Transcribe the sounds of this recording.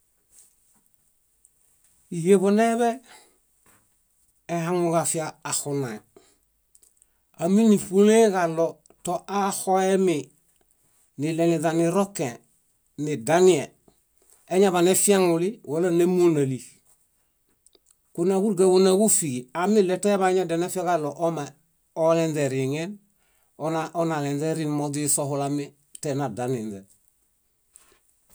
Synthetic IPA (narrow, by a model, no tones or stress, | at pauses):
ijeβoneβe | ɦaŋuɡafiaːxuna | aminifuleɡalo | toʔahoemi | nileliðaniɾokẽ | nidanie | eɲaβanefiaŋuliwolanemunali | kunaɡuɾɡaɡunaɡufiɡiamilːetojaβaɲadenefiɡaloʔoma | olenzeɾiŋen | onaʔonalenzeɾinmod͡ʒisohulami | tenadaninze